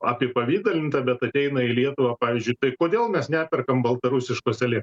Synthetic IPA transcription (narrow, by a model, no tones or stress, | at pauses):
ɑpʲɪɛpɐʋʲiːd̪ɐlʲɪnt̪ɐbʲɛt̪ɐt̪ʲɛɪnɐɪlʲiɛt̪ʊʋɑːpɑːʋʲiːzʲd͡ʒʲʊɪt̪ɐɪkoːd̪ʲeːlˠmʲɛsnʲæːpʲɛrkɐmbɐlˠt̪ɐɾʊsʲɪʃkoːsʲɛlʲɪ